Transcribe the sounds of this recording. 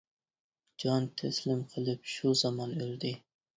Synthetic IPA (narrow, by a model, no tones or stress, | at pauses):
d͡ʒɑnt̪ʰaslɪmqʰəlɪpʃuzɑmɑnøld̪ɪ